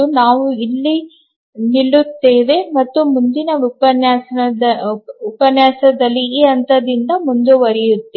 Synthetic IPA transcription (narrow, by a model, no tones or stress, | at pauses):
unaːʋuilːi | niɭːut̪ːeːʋe̞mɐt̪ːumund̪inɐupɐnjaːs | upɐnjaːsɐd̪ɐlːiːɐnt̪ɐd̪ind̪ɐmund̪uʋɐɾijut̪ːeː